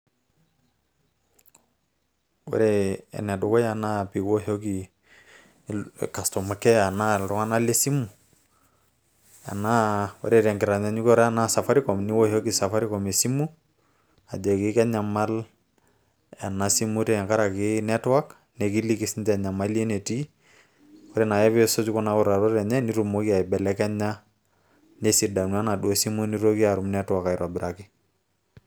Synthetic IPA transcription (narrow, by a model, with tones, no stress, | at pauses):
wɛ̰ɾɛɛ̰˨nɛ˨dʊ˨kɔ˦ja˨na˦pi˨wɔ˦ɦo˦ki˨ | ka˨stɔ˨ma˨kɛ˦a˨na˦lɾɔ˦ŋa˦na˦le˦si˦mu˨ | a̰˨na˦wɛ̰˦ɾɛɾɛ˨ŋɡɪ˨ɾa˨ɲa˨ɲu˦kɔ˦ɾa˦na˦sa˨fa˦ɾi˦kɔ˨mni˦wɔ˦hɔ˦ki˨sa˨fa˦ɾi˦kɔ˨me˨si˦mu˦ | a˨d͡ʒɔ˨ki˦kɛ˦ɲa˨ma˦l | ɛ˨na˨si˦mu˦ɾi˦˨ŋka˦ɾa˨kɪnɛ˦twa˦k | nɛ˨ki˦li˦ki˦si˦ntɛ˨ɲa˨ma˦li˦e˦ne˨ti˦ | kɔ˦ɾɛ˨na˨jɛ˦βsɔ˦d͡ʒu˦kɔ˦na˨kɔ˦ɾa˨ɾo˦ɾɛ˨ɲɛ˦ni˦ɾu˨mo˦kia˨i˨bɛ˨lɛ˦kɛ˦ɲa˦ | ne˦si˨da˨nu˨a˦na˨du˦o˨si˦mu˦ni˦ɾo˦ki˦a˨ɾu˨mnɛ˦twa˨ka˨iɾɔ˨bɪ˨ɾaki˦